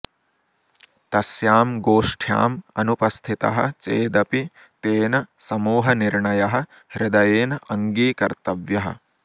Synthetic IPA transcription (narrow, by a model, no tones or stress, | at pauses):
t̪ɐsjaːmɡoːʂʈʰja̰ːmɐnupɐst̪ʰit̪ɐ̰ɦɐ̰̆t͡ʃeːd̪ɐpi | t̪eːnɐsɐmuːɦɐniɾɳɐjɐɦɐ̆ | ɾɪd̪ɐjeːnɐɐŋɡiːkɐɾt̪ɐʋjɐɦɐ̰̆